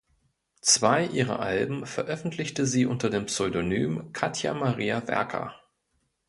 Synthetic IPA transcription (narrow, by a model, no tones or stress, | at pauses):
t͡sv̥aɪʔiːʁɐ̰ʔalbm̩fɛɐʔœfn̩tʰlɪçtəziːʔʊntɐdeːmpsɔʏdony̰ːmkʰatʰja̰maʁiːavɛ̰ɐkʰɐ̰